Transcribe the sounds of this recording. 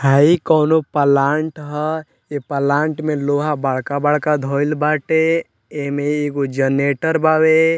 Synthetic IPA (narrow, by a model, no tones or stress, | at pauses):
ɦaikɔːnopəlaːɳʈɦə | epəlaːɳʈmẽloːɦabaɭkabəɭkad̪ʱoːɪlbaːʈe | emẽeɡod͡ʒəneːʈəɾbaːwe